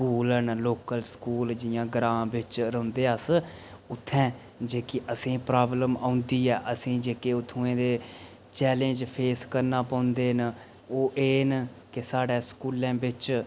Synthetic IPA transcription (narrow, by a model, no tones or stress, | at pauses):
skuːlənloːkəlskuːld͡ʒɪjãːɡɾãːbɪt͡ʃɾəʊ̃nd̪eːəs | ʊt̪ʰːɛ̃ː | d͡ʒeːkɪʔəsĩːpɾaːbləmãːʊnd̪iːɛːʔəsĩːd͡ʒeːkeːʊt̪ʰːũẽːd̪eː | t͡ʃɛːlẽːd͡ʒpʰeːskəɾnaːpə̃ːʊ̃nd̪eːn | oːʔeːn | kɪsaːɖeːskuːlãːbɪt͡ʃ